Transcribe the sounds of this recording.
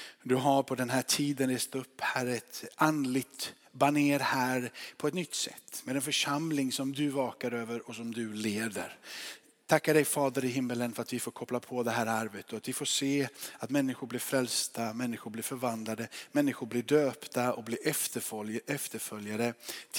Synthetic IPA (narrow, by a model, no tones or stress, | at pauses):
d̪ɵɦaɾpʰɔd̪ɛnɦæːʈʰiːd̪ənɾeːst̪ɵpːhæːɾɛt̪ʔand̪lɪɡt̪ | baneːɾhæːɾpʰɔɛt̪nʏt̪ːsɛ̰t̪ːmeːd̪ɛnfœʂamlɪŋsɔmd̪ɵvɑːkaɾøːvəɾɔsɔmd̪ɵleːd̪ə̰ɾ | t̪ʰakːaɖɛjfɑːd̪əɾɪɦɪmːələnfœɾat̪vɪfoːɾkʰɔplapʰɔd̪ɛɦæːɾaɾvət̪ːɔat̪vɪfoːseːat̪mɛnːɪɧʊɾblɪɾfɾɛlst̪amɛnːɪɧʊɾblɪɾfœɾvand̪lad̪əmɛnːɪɧʊɾblɪɖøːpt̪aɔblɪɾɛft̪əfɛft̪əɾfœljad̪ə